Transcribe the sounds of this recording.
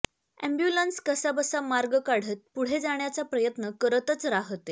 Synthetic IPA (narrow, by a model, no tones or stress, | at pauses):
ɛ̰mbjulənskəsabəsamaɾɡəkaɽ̤ət̪̚puɽ̤ed͡zaɽ̃jat͡sapɾəjət̪nəkəɾət̪ət͡sɾaɦt̪e